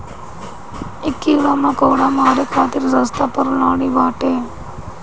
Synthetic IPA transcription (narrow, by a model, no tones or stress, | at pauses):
ɪkːiːlaːmãːkəːɽaːmaːɾekʰaːt̪ɪɾzəst̪aːpəɾlaːɳ̃iːʋaːʈeː